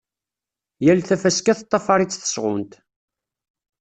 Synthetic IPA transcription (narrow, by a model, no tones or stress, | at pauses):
jælθæfæskæθt̪ˤːɑfɑɾˤit͡sːθə̥sʁʊ̰nt̪